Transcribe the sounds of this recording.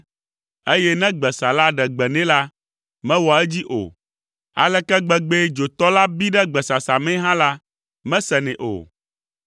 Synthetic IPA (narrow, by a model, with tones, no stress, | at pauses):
e˦jɛ˦nɛ̃˦ɡ͡bɛ˨sa˨la˦ɖɛ˨ɡ͡bɛ˨nɛ̃˦la˦ | mɛ̃˦wɔ˨ɛ˦d͡ʑi˦ʔo̰˨ | a̰˨lɛ˦kɛ˦ɡ͡bɛ˨ɡ͡be˦d͡ʒo˨t̪ɔ˦la˦bi˦ɖɛ˦ɡ͡bɛ˨sa˨sa˨mɛ̃˦ɦã˦la˦ | mɛ̃˦sɛ˨nɛ̃˨ʔo̰˨